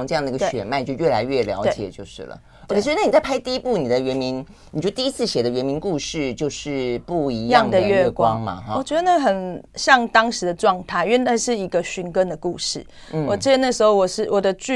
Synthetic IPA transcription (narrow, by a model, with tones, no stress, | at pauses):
ŋʈ͡ʂɤ˥˧jɑ˥˩d̪ɡə˧ɕɥɛ̰˨˩nma˥˧ɪt͡ɕjo˥˧ʊɥɛ˥˩la˧˥ɪɥɛ˥˩ljɑ̰˧˥ʊe˥˩t͡ɕjɛ̰˨˩t͡ɕjo˥˧ʊʂɻ̩˥˩lə̰˩ | o˧˥˨na˥ni˨˩t͡sa˥˩ɪpʰa˥ɪt̪i˥˧i˦˥pu˥˩ni˨˩d̪ə˦ɥɛ˧˦˥nmi˧˦n | n˨t͡ɕo˧˥˧t̪i˥˧i˦˥t͡sʰɹ̩˥˩ɕjɛ˨˩d̪ə˦ɥɛ˧˥nmi˧˥nku˥˧ʂɻ̩˥˧t͡ɕjo˥˧ʊʂɻ̩˥˧pu˥˩i˧˥jɑ˥˨ŋŋd̪ə˨ɥɛ˥˧ɛ˧kwwɑ˦ŋma̰˨˥wɔ˨˩t͡ɕɥɛ˧˥d̪ə˧nə˥˩xə˨˩nɕjɑ˥˧ŋt̪ɑ˥ŋʂɻ̩˧˥d̪ə˧ʈ͡ʂwɑ˥˧ŋt̪ʰa˥˩ɪy˥ɛ˥˧˩na˥˧ʂɻ̩˥˩i˧˥ɡə˧ɕy˧˥nkə˥nd̪ə˨ku˥˧ʂɻ̩˥˩ | n̩˥˩wɔ˨˩i˥˩ə˧na˥˩ʂ̩˧˥xo˥˧ʊwɔ˨˩ʂɻ̩˥˩wɔ˨˩d̪ə˦t͡ɕy˥˨